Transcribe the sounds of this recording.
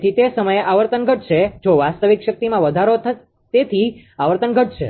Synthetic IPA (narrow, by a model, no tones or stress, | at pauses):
t̪ʰit̪esəməjeʔaʋəɾt̪ənɡʱəʈ̚t͡ʃʰed͡ʒoʋast̪əʋikʃək̚t̪imãʋəd̪ʱaɾot̪ʰ | t̪et̪ʰiaʋəɾt̪ənɡʱəʈ̚t͡ʃʰḛ